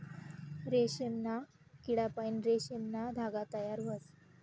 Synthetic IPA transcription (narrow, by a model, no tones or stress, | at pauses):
ɾeɕemna | kiɽapainɾeɕemnad̪ʱaɡat̪əjaɾʋəs